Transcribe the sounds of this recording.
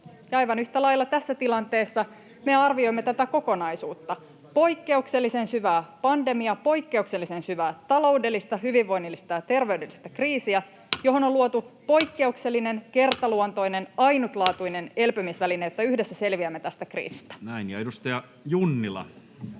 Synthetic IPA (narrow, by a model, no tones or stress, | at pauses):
jɑɑjʋɑnyht̪ælɑjlːɑt̪æsːæt̪ilɑnt̪e̞ːsːɑ | me̞ɑrʋio̞imːe̞t̪æt̪æko̞ko̞nɑjsuːt̪ːɑ | po̞jkːe̞ukse̞lːise̞nsyʋæːpɑnde̞miɑpo̞ikːe̞ukse̞lːise̞nsyʋæːt̪ɑlo̞ude̞lːist̪ɑɦyʋiʋːo̞inilːist̪ɑjɑt̪e̞rʋe̞yde̞lːist̪ækriːsiæ | jo̞ɦo̞nolːuot̪upo̞jkːe̞ukse̞lːine̞nke̞rt̪ɑluont̪o̞jne̞nɑjnut̪lɑːt̪uine̞ne̞lpømisʋælinejot̪ːɑyhde̞sːæse̞lʋiæmːe̞t̪æst̪ækrḭːsi̥st̪æ̥næinjɑedust̪ɑjɑ | junːilɑ̰